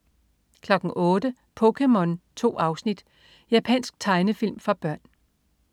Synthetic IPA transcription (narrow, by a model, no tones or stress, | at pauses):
kʰlɒ̽ɡ̥n̩ʔɔːdə | pʰɔkʰemɔ̽nt͡sʰo̝̰ːɑ̈ʊsnid̥ | jæpʰɛ̰nsɡ̥̚t͡sʰɑ̈ɪnəfil̰mfɑ̈b̥ɶɐ̰n